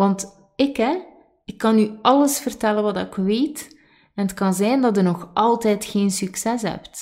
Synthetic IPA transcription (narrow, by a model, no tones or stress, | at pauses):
ʋɑnt | ɪkɦɛ | ɪkːɑnyɑləsfərtɛlənʋɑdɑɪkʋeːt | ɛnətkɑnzɛjndɑtərnɔxʔɑlˠtɛːtxeːnsyksɛsɦɛ̰pt